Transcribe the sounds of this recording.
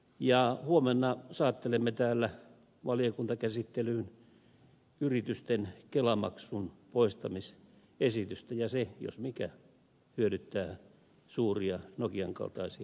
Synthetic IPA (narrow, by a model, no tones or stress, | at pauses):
jɑhuomenːɑsɑːt̪ːelemːet̪æːlːæ | ʋɑliokunt̪ɑkæsit̪ːelyːn | yrit̪yst̪enkelɑmɑ̰ksunpoist̪ɑmis | esit̪yst̪æjɑsejo̰smikæ | hyøɾyt̪ːæː | suːriɑnokiɑŋkɑ̰lt̪ɑisiɑ